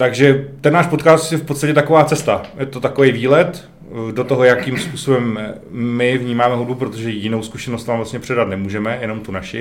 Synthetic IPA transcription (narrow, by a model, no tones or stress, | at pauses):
t̪aɡʒɛt̪ɛnːaːʃpot̪kaːst̪jɛfpot̪st̪acɛt̪akovaːt͡sɛst̪ajɛt̪o̞t̪akovejviːlɛt̪ | do̞t̪o̞ɦo̞jakimspuːso̞bɛmː | ɪvɲiːmaːmɛɦud̚bupɾot̪o̞ʒɛjɪnowskuʃɛnost̪naːmvlast̪ɲɛpr̝̥ɛdat̪nɛmuːʒɛmɛjɛno̞mt̪unaʃɪ